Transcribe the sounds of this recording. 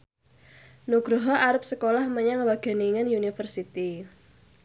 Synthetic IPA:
nuɡ̥ɾɔɦɔʔaɾʊp̚səkolahməɲaŋwaɡ̥a̤niŋənjunifərsit̪i

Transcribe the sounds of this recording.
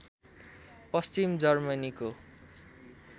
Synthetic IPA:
pʌst͡simd͡zʌrmʌniko

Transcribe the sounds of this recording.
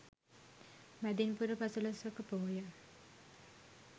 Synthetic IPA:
mæd̪inpuɾəpasəlɐsʋɐkəpoːjə

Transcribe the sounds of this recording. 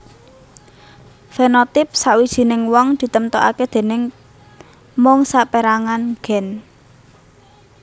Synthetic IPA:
fenɔt̪ɪp̚sawid̥ʒ̥i̤nɪŋwɔŋd̪̥i̤t̪əmt̪ɔʔaked̪̥e̤nɪŋ | mɔŋsapeɾaŋanɡ̥ɛ̤n

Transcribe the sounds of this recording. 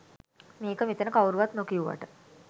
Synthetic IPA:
meːkəmit̪ənəkawuɾuʋat̪nokiuʋa̰ʈə

